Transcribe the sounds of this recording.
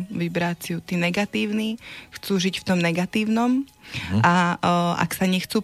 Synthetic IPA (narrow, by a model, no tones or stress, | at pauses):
ʋibɾat͡sɪjut̪iːnɛɡat̪iːʊnixt͡suːʒicft̪ɔmnɛɡat̪iːʊnɔm | aʔa̰ksaɲɛxt͡suː